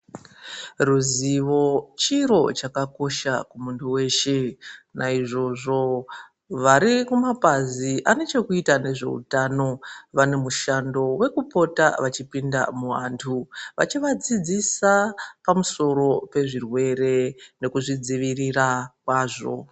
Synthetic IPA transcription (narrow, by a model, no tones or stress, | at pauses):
ruziʋo̞t͡ʃiɾo̞t͡ʃakako̞ʃakumuntʰuwe̞ːʃenaiʐo̞ʐo̞ | ʋaɾikumapaziʔane̞t͡ʃe̞kuitane̞ʐe̞̰ṵtano̞ʋane̞muʃando̞we̞kupo̞taʋat͡ʃipinda̰muʋa̰ntʰuʋa̰t͡ʃiʋad͡zid͡zisapamuso̞ɾo̞pe̞ʐirwe̞re̞ne̞kuʐid͡ziʋirirakwaːʐo̞̰